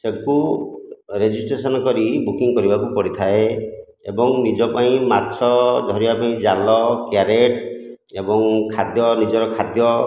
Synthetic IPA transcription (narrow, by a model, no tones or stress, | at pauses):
seku | ɾed͡ʒisʈɾesɔnɔkɔɾibukiŋkɔɾibakupɔɾɽit̪ʰae | ḛbɔŋnid͡ʒɔpaĩmatːsʰɔd̪ʱɔɾibapaĩd͡ʒalɔkjaɾeʈ | ebɔŋkʰad̪jɔnid͡ʒɔɾɔkʰad̪jɔ